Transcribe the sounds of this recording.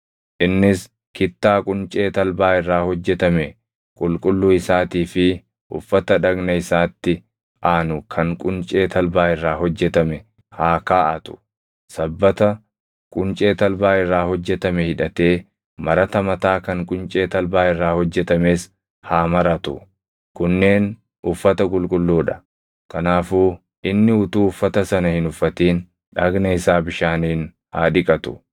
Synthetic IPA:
ʔɪnːɪs | kɪt̪ːaːkʼʊnt͡ʃʼe̞ːt̪ɐlbaːɪrːaːhɔd͡ʒːɛt̪ɐmɛ | kʼʊlkʼʊlːʊɪsaːt̪iːfɪ | ʔʊfːɐt̪ɐᶑɐɡnɐɪsaːt̪ːɪ | ʔaːnʊkʰɐŋkʼʊnt͡ʃʼe̞ːt̪ʰɐlbaːɪrːaːɦɔd͡ʒːɛt̪ɐmɛ | haːkaːʔɐt̪ʊ̥ | sɐbːɐt̪ɐ | kʼʊnt͡ʃʼe̞ːt̪ɐlbaːɪrːaːhɔd͡ʒːɛt̪ɐmɛhɪᶑɐt̪e̞ː | mɐɾɐt̪ɐmɐt̪aːkɐŋkʼʊnt͡ʃʼe̞ːt̪ɐlbaːɪrːaːhɔd͡ʒːɛt̪ɐme̞ːs | haːmɐɾɐt̪ʊ | kʊnːe̞ːn | ʊfːɐt̪ɐkʼʊlkʼʊlːuːᶑɐ̥ | kɐnaːfuː | ʔɪnːɪʊt̪uːʊfːɐt̪ɐsɐnɐhɪnʊfːɐt̪iːn | ᶑaːɡnɐɪsaːbɪʃaːniːn | haːᶑɪkʼɐt̪ʊ̥̰

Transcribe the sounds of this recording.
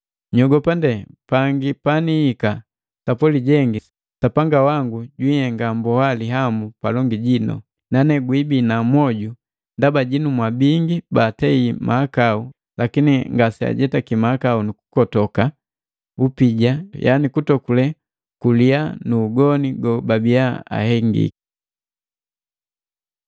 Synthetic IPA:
ɲɔɡɔpandɛpaŋɡipaniːka | sapɔliɟɛŋɡi | sapaŋɡawaŋɡuɟwihɛŋɡambɔhaliɦambupalɔŋɡiɟinɔ̰ | nanɛɡwibinamwɔɟu | ndabaɟinumwabiŋɡibaːtɛimʔaːkau | lakiniŋɡasia̰ɟɛtakimakaunuku̥kɔtɔka | upiɟaja̰nikutɔkulɛ | kulianuːɡɔniɡɔbabiaa̰hɛŋɡḭki̥

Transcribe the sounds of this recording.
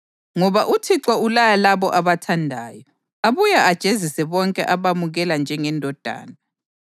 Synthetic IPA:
ŋɔβaʔutʰiǁɔulajalaβɔʔaβatʰandʱaːjɔ | aβujaʔad̥ʒ̥ʱezisɛβɔŋkʼɛ̰ʔaβamuɣɛland͡ʒʱɛŋɛndʱɔd̥ʱa̰ːna

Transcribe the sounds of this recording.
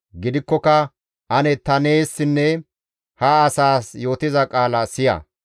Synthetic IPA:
ɡɪd̪ɪkːɔkɐ | ʔɐnɛt̪ɐneːsːɪnːɛ | hɐːsaːsjo̞ːt̪ɪzɐkʼaːlɐsɪjɐ̰

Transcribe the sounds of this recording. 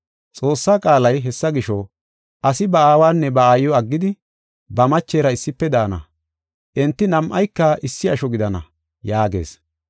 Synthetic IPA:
t͡sʼo̞ːsːaːkʼaːlɐjɦɛsːɐɡɪʃɔ | ʔɐsɪbɐaːwaːnːɛbɐaːjːɔɐɡːɪd̪ɪ | bɐmɐt͡ʃːeːɾɐɪsːɪpːɛd̪aːnɐ̰ | ʔɛnt̪ːɪnɐmʔɐjkːɐʔɪsːɪɐʃɔɡɪd̪ɐnɐ̰ | jaːɡe̞̰ːs

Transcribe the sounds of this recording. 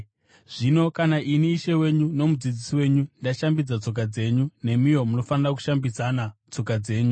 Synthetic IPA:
ʐ̥ino̞kanaʔiniːʃe̞we̞ɲuno̞mud͡zid͡zisiwe̞ɲundaʃambid͡zat͡so̞k̬ad͡ze̞ːɲune̞mijo̞muno̞fanirak̬u̥ʃambid͡zanat͡so̞kad͡ze̞ːɲu

